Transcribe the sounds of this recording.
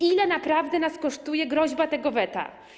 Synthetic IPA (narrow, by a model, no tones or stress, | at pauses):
ilɛnapɾavd̪ɛnaskɔʂt̪ujɛɡɾɔʑbat̪ɛɡɔvɛt̪a̰